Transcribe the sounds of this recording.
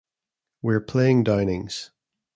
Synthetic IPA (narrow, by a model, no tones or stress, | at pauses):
wiɹpʰl̥eɪ̃ŋdãɪ̃nɪ̃ŋz̥